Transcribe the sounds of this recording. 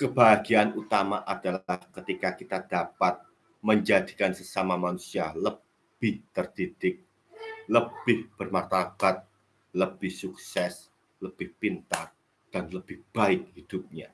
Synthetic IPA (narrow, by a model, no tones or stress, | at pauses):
kəb̥aɦaɡianut̪amaʔad̥alahkət̪ikakit̪ad̥apat̪̚ | məɲd͡ʒadi̥kansəsamamanusialə | b̥ɪht̪ərd̥id̥ɪk̚ | ləb̥ɪhb̥ərmart̪ab̥at̪̚ | ləb̥ɪhsuksɛs | ləb̥ɪhpint̪ar | d̥anləb̥ɪhb̥aɪk̚hid̥ʊp̚ɲa